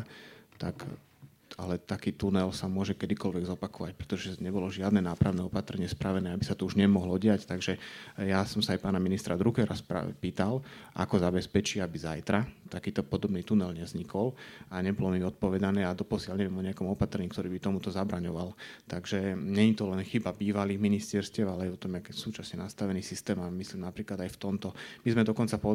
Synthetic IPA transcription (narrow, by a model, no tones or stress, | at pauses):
t̪ak | alɛt̪akiːt̪unɛlsamʊɔʒɛkɛd̪ikɔlʋɛɡzɔpakɔʋac̚pɾɛ̥t̪ɔʒɛɲɛbɔlɔʒɪad̪nɛːnaːpɾaʊnɛːɔpat̪ɾɛɲɪɛspɾʔaʋɛnɛːabisat̪ɔuʒɲɛmɔɦlɔɟɪact̪aɡʒɛjasɔmsaajpaːnaminist̪ɾad̪ɾukɛɾaspa̰piːt̪alʔa̰kɔzabɛspɛt͡ʃiːabizajt̪ɾat̪akiːt̪ɔpɔd̪ɔbniːt̪unɛlɲɛzɲikɔlaɲɛbɔlɔmiɔt̪̚pɔʋɛd̪anɛːad̪ɔpɔsɪalɲɛʋɛmɔɲɛjakɔmɔpat̪ɾɛɲiːk̚t̪ɔɾiːbit̪ɔmut̪ɔzabɾaɲɔʋalt̪aɡʒɛɲɛɲit̪ɔlɛnxibabiːʋaliːɣminist̪ɛɾscɛʊalɛajɔt̪ɔmjakːsuːt͡ʃasɲɛnast̪aʋɛniːsist̪ɛːmamisliːmnapɾiːklad̪ajft̪ɔmt̪ɔmizmɛd̪ɔkɔnt͡sapɔ